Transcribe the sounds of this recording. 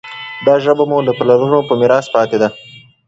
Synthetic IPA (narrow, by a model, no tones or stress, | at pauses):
d̪ɑʒəbamulaplaɾunopəmɪɾɑspɑt̪ed̪a